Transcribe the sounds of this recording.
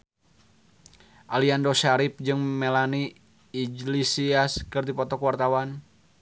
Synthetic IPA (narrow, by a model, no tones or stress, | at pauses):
ʔaliandɔʃaɾip̚d͡ʒɨŋmɛlaniː | d͡ʒlisiaskɨrdipɔt̪ɔkwart̪awan